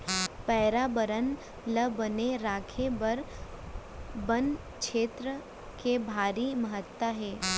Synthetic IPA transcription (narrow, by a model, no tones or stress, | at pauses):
pɛːɾabəɾən | ləbəneɾaːkʰebɐɾ | bən | kʃeːt̪ɾə | kebʱaːɾiməɦət̪waɦɛː